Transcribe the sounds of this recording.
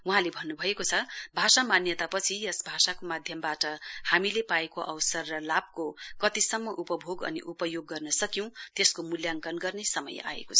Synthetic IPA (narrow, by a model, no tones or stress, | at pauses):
uɦãlebʱʌnːubʱʌekot͡sʰʌbʱasamanjʌt̪apʌt͡sʰijʌsbʱasakomad̪ʱjʌmbaʈʌhamilepaekoʔʌwsʌrːʌlab̚kokʌt̪isʌmːʌʔupʌbʱoɡʌ̰nḭʔupʌjoɡːʌrnʌsʌkjiw̃t̪eskomuljaŋkʌnɡʌrnesʌmʌ̰ja̰ḛkot͡sʰʌ